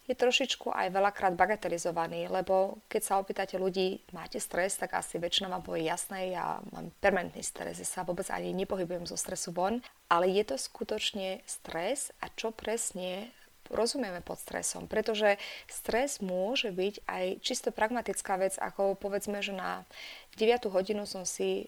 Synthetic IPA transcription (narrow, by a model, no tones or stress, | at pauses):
jɛt̪ɾɔʃit͡ʃkuʔa̰jʋɛlakɾaːd̪baɡat̪ɛlizɔʋaniːlɛbɔkɛcsaɔpiːt̪acɛluɟiːmaːcɛst̪ɾɛst̪aɡa̰siʋɛt͡ʃinaʋaːmbujɛjasnɛjja̰ma̰ːmpɛɾmɛnt̪nḭst̪ɾɛ̰zjasaʋʊɔbɛd͡za̰ɲiɲɛpɔɦibujɛmzɔst̪ɾɛsuʋɔn | ʔalɛjɛt̪ɔskut̪ɔt͡ʃɲɛst̪ɾɛsʔat͡ʃɔpɾɛsɲɛ | ɾɔzumijɛmɛpɔt̪st̪ɾɛ̰sɔ̰mpɾɛt̪ɔʒɛst̪ɾɛzmʊɔʒɛbica̰jt͡ʃist̪ɔpɾaɡmat̪it͡skaːʋɛd͡za̰kɔpɔʋɛd͡zmɛʒɛna̰ɟɛʋɪat̪uɦɔɟinusɔmsi